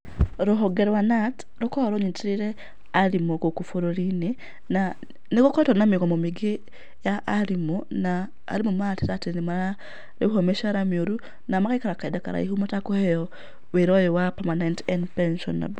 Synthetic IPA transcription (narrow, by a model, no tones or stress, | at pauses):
ɾoɦoɡeɾwanat | ɾokoɾoɲitiɾiɾe | aɾimokokufoɾoɾini | na | nekokotonamikomomiɡi | jaʔːɾimona̰ː | ɾimomatiɾatinimaɾa | ɾehomeʃaɾamioɾu | namakaikaɾakaidaka̰ɾa̰iɦumatakohejɔ | weɾɔjɔwapamanentɛndpɛnʃɔ̰na̰bo